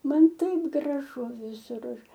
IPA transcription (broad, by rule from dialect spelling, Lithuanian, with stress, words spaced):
ˈmɐn ˈtɐɪp ɡrɐˈʒʊ ʋʲɪˈsʊr ˈɐʃ